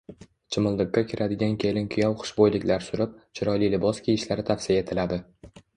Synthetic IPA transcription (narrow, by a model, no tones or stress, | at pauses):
t͡ʃʰɪmʊlˠd̪ɪkːakʲʰɪɾʔad̪ɪɡʲankʲʰe̞lɪnkʲʰʊjɒwχʊ̥ʃbojlɪkʲlaɾsʊɾɪp̚t͡ʃʰɪɾɒjlijlɪbɒskʲʰejɪʃlaɾɪt̪ʰafsijaet̪ʰɪlad̪ɪ